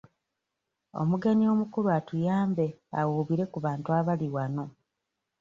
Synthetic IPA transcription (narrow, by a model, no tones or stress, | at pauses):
o̞̰muɡe̞nio̞mukuɾuatujaːmbea̰wuːβiɾe̞kuβaːntuaβaliwano̞